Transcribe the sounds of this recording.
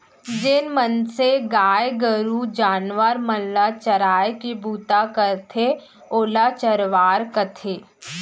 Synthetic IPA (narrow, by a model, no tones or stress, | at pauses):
d͡ʒɪnmənseɡaːjɡəɾud͡ʒaːnʋəɾməlːat͡ʃəɾaːjkibuːt̪akəɾt̪ʰe | oːlat͡ʃəɾʋaːɾkət̪ʰeː